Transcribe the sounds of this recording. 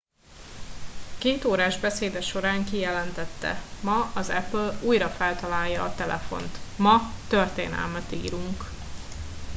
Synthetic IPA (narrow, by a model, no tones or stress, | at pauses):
keːt̪oːɾaːʒbɛseːd̪ɛʃo̞ɾaːŋkijɛlɛnt̪ɛt̪ːɛ̰mɒɒzɛpluːjɾɒfɛlt̪ɒlaːjːɒːt̪ɛlʔɛ̰fo̞̰nt̪mɒt̪ørt̪eːnɛ̰lmɛt̪ḭːɾuŋk